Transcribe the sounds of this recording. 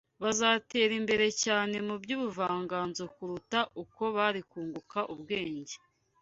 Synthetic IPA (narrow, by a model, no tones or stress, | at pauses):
βazaːte̞ːɾimbe̞ɾe̞caːne̞mubɟuːβuvaːŋɡaːnzo̞kuɾutaʔuko̞βaɾikuːŋɡukaʔubɡe̞ːɲɟe